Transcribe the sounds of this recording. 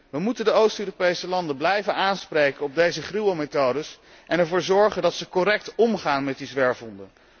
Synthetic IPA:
ʋəmutəndəowstøːropejsəlɑndənblɛjvənaːnsprejkənɔb̚dejzəχriwometowdəs | ʔɛnɛɹvʊːɹzɔɹχəndɑtsəkɔrɛk̚tɔmχaːnmɛt̚dizʋɛɹvɔndə

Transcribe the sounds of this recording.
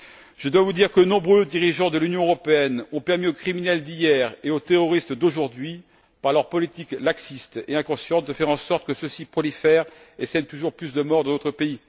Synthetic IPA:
ʒ̥əd̪wavud̪iʁkənɔ̃bʁød̪iʁiʒɑ̃d̪əlynjɔ̃øʁɔpeɛnɔ̃pɛʁmiokχiminɛld̪ijɛʁeot̪eʁɔʁist̪d̪oʒuʁd̪ɥi | paʁlœʁpɔlit̪iklaksist̪eɛ̃kɔ̃sjɑ̃t̪̚d̪əfɛʁɑ̃sɔʁt̪ə̥kəsəsipχɔlifɛʁ | esɛnt̪uʒuʁplysd̪əmɔʁd̪ɑ̃d̪ot̪ʰχəpei

